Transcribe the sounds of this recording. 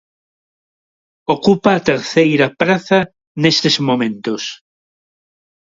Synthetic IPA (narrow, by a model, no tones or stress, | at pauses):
okupaːt̪eɾθejɾapɾaθa | nest̪ezmõmẽnt̪os